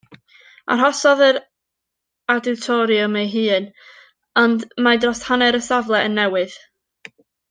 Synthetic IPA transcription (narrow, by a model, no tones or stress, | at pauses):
a̰rɦɔsɔðəɾ | adɪwtʰɔɾiɔmejɦɨːn | ɔndmadrɔshanɛɾəsavlˠɛʔənːɛwɨð̥